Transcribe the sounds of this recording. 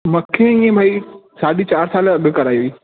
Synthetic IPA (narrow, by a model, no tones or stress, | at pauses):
mɐ̃kʰẽĩːẽbʱaːisaːɗit͡ɕaːɾsaːlɐɠkɐɾaːioiː